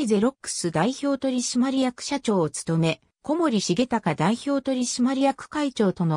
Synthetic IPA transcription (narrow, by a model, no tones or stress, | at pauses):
ize̞ɾo̞kːɯ̟̥sɨd̪aiço̞ːt̪o̞ɾʲiɕimaɾʲijakɯ̟̥ɕat͡ɕo̞ːt͡sɨ̥t̪o̞me̞ | ko̞mo̞ɾʲiɕiɡe̞t̪akad̪aiço̞ːt̪o̞ɾʲiɕimaɾʲijakɯ̟̥kait͡ɕo̞ːt̪o̞no